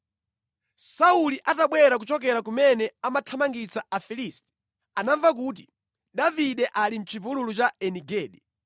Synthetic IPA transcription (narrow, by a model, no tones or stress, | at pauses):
sauliʔataɓwɛɾak̬ut͡ʃɔkɛɾakumɛnɛamatʰamaŋɡit͡saʔafiliːstɛ̥ | anaɱvak̬uːt̬i | ɗaviɗɛʔalim̩t͡ʃʰivululut͡ʃaɛniɡɛːɗɛ